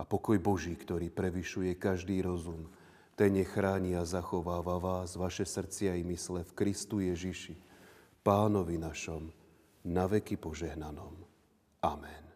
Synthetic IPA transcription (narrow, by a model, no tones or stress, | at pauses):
apɔkɔjbɔʒiːkt̪ɔɾiːpɾɛʋiʃujɛkaʒd̪iːɾɔzum | t̪ɛɲɛxɾaːɲiazaxɔʋaːʋaːʋaːzʋaʃɛsr̩t͡sɪajmislɛfkɾist̪ujɛʒiʃi | paːnɔʋinaʃɔm | naʋɛkipɔʒɛɦnanɔm | amɛn